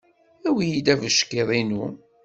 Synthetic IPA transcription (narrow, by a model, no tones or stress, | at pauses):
æwijid̪ævəʃkeðˤinu